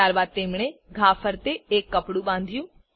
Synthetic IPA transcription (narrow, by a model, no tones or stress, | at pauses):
aːɾʋaːt̪eːmɽ̃ẽɡʱaːfʰəɾt̪eekːəpɽubãːnd̪ʱijũː